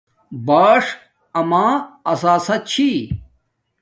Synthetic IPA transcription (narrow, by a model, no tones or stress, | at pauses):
baːʂ | ɐmãːɐsaːsɐt͡ɕʰi